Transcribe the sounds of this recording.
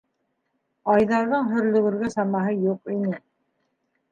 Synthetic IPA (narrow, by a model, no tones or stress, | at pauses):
ɑjðɑɾðɤɴɦɵ̆ɾlɵ̆ɡɘ̆ɾɡɵsɑmɑɦɤjuqinɘ